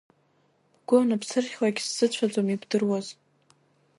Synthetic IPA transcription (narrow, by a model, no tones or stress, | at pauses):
ɡ̥ʷʊnapʰsɨrχʲlaɡʲsːɨt͡ɕʷʰat͡sʼomibdɨrwaz